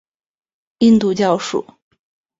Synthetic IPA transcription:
i˥˧nt̪u˥˧t͡ɕjɑ˥˧ʊʂṵ˥˩˦

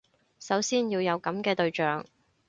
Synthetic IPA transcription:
sɐ˨˥wsiː˥njiː˧wjɐ˨˧wkɐ˨˥mkɛː˧t̪ɵ˧ɥt͡ʃœː˨ŋ

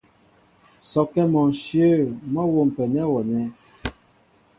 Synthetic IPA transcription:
sɔ˨kɛ˦mɔ˨n˨ʃjə˦˨mɔ˦wo˦˨m̩˨pɛ˨nɛ˦wɔ˨nɛ˦

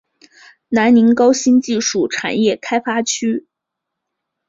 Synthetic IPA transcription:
na˧˥nni˧˥nkɑ˥ʊɕi˥nt͡ɕi˥˧ʂu˥˩ʈ͡ʂʰa̰˨˩njɛ˥˩kʰa˥ɪfa˥t͡ɕʰy˥

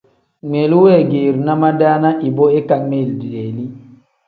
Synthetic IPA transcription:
me˨lu˦wɛ˦˨ɡe˨ɾna˦ma˦da˦na˦ʔi˨bɔ˦ɛ˦ka˨me˦˨ldi˨de˨li˦

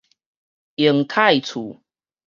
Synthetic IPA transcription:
i˨˩˦ŋt̪ʰa˥˧jt͡sʰu˨˩˦

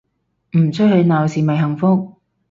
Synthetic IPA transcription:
m̩˨˩t͡sʰɵ˥t̚hɵ˨˧ɥnaː˨˩wsiː˨˩mɐ˨jɦɐ˨˩ŋfʊ˥k̚

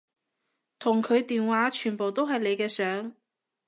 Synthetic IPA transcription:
t̪ʰʊ˨˩ŋkʰɵ˨˧ɥt̪iː˨nwaː˨˥t͡ʃʰyː˨˩npo˨wt̪o˥wɦɐ˨jle˨˧jkɛː˧sœː˨˥ŋ

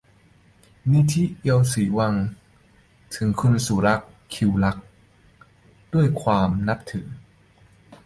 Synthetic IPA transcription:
ni˦˥t̪ʰi˦˥ʔi˧əwsiː˩˦wa˧ŋ | t̪ʰɯ˩˦ŋkʰu˧nsuː˨˩˦ɾa˦˥kʰːi˧wla˦˥k̚ | du˥˩əjkʰwaː˧mna˦˥p̚t̪ʰɯ˩˦ŋ

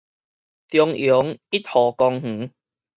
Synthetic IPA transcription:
t̪jɔ˧ŋjo˨˦ŋi˦˥t̪̚hɔ˨˩kɔ˧ŋh̩˨˦

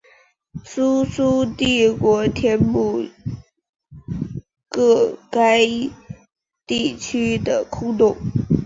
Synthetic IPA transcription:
su˥su˥t̪i˥˩kwɔ˧˥t̪ʰjɛ˥npu˥˩ | kɤ˥˩ka˥ɪ | t̪i˥˩t͡ɕʰy˥d̪ə˨kʰu˥t̪ʊ˥˩ŋ

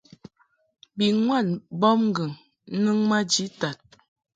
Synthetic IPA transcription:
bi˨ŋwa˦˨nbɔ˦mŋ̩˦ɡə˨ŋ˦ | nɨ˦ŋma˦d͡ʒi˨˦ta˨t̚

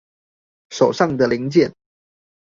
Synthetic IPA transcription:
ʂo˨˩ʊʂɑ˥˩ŋd̪ə˨li˧˥ŋt͡ɕjɛ˥˩n

